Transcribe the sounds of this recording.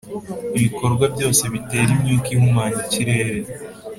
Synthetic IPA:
iβiko̞ɾɡwabɟo̞ːse̞βite̞ːɾimɲiːkihumaːɲaciɾe̞ːɾe̞

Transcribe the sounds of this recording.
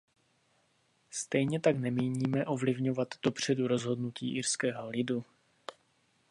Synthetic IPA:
st̪ɛjɲɛt̪aknɛmiːɲiːmɛʔo̞vlɪvɲo̞vat̪d̥o̞pr̝̥ɛduɾo̞zɦo̞dnuciːʔɪrskɛːɦo̞lɪdu

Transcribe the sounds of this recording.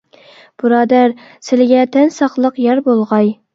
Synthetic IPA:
b̥ɨɾɑːd̪æɾ | sɪlɪɡʲɛt̪ʰɛnsɑqlˠəqjɛɾbolˠʁɑj

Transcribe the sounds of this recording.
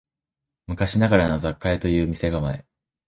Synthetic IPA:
mɯ̟kaɕinaɡaɾano̞zakːaet̪o̞jɯ̟ːmʲise̞ɡamae

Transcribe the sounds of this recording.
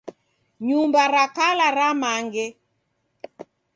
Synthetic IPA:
ɲumbaɾakalaɾamaŋɡɛ

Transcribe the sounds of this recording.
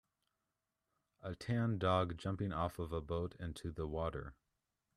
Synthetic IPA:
ətʰæ̃ndɔɡ̚d͡ʒʌ̃mpɪ̃ŋɔfʌvəboʊɾɪ̃ntʰʉðəwɔɾə̰˞

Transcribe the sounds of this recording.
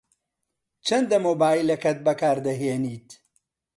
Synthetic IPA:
t͡ʃʰɐnd̪ɐmoːbaːilɐkʰɐt̪̚bɐkaːɾd̪ɐɦeːniːt̪

